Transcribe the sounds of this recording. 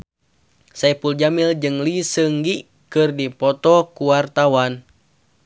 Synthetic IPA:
sajpuld͡ʒamild͡ʒɨŋlisəŋɡi | kɨrdipɔt̪ɔkuwart̪awan

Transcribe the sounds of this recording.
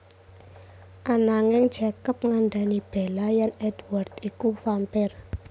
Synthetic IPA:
ʔanaŋɪŋ̥t͡ʃakəp̚ŋaɳɖ̪anib̥e̤lajanɛd̥wart̪ikufampɛr

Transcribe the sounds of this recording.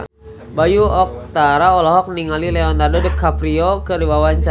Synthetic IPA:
bajuɔk̚t̪aɾaɔlɔɦɔk̚niŋalilɛɔndardodəkːapɾiokəɾibawaɲt͡ʃa

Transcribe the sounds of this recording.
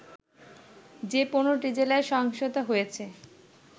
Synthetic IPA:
d͡ʑeponoʈid͡ʑelaeʃɔɦŋʃot̪aɦojet͡ɕʰe

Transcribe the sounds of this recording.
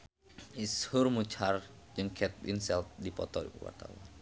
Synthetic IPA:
ʔishʊrmut͡ʃʰard͡ʒɨŋkʰɛt̪̚ʔḭnsɛlt̪̚dipɔt̪ɔṵwa̰rt̪a̰wan

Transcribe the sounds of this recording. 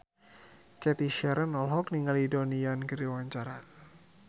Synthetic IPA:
kɛt̪iʃɛɾənɔlɦɔkniŋalidoniankəɾiwaɲt͡ʃaɾa

